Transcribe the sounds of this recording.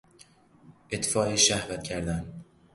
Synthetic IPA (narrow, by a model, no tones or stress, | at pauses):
ʔet̪fɒːeʃæhvæt̪cʰæɾd̪æm